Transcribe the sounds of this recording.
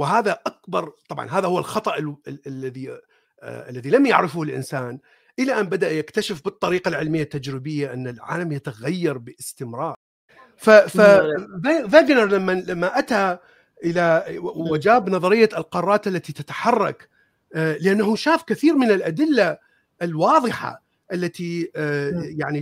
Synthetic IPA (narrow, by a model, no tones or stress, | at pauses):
wɪɦaːðaʔakbɑɾˤt̪ˤɑbʕɑ̰nɦaːðahʊwːalxɑt̪ˤɑʔlːaði | ʔalːaðilamja̰ʕɾɪfulʔɪ̰nsaːn | ʔɪlaʔanbad̪aʔjakt̪aʃɪfbɨt̪ˤːɑɾiːqalʕɪlmɪjːat̪ːad͡ʒɾɪbɪjːaʔɪnːalʕa̰ːlamjat̪aɣajːɑɾˤbɪʔɪst̪ɪmɾɑːɾˤ | fafaavaːɡnɑɾˤlamːalamːaʔat̪a | ʔɪlawad͡ʒaːbnɑðˤɑɾɪjːalqɑrˤːɑːt̪ʔalːat̪it̪at̪ḁħɑrˤːɑ̰k | lɪʔanːaɦuʃaːfkaθiːɾmɪnɪlʔad̪ɪlːa | ʔɪlwɑːðˤɨħa̰ | ʔalːat̪i | jaʕni